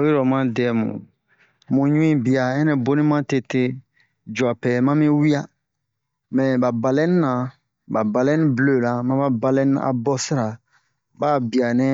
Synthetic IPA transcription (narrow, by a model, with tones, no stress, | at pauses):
o˦ɾɔ˨mã˦dɛ˨mṵ̃˨ | mũ˨ɲũ˦ĩ˦bi˨a˨ɛ̃˦nɛ̃˨bo˦nĩ˦mã˦te˨te˦ | d͡ʒa˨pɛ˨mã˦mĩ˦wi˦a˦ | mɛ̃˨ba˨ba˨lɛ̃˦ni˦nã˨ | ba˨ba˨lɛ̃˦nĩ˦blo˨la˨mã˦ba˦ba˨lɛ̃˦nia̰˨bɔ˦si˦ɾa˨ | baː˦bi˨a˨nɛ˦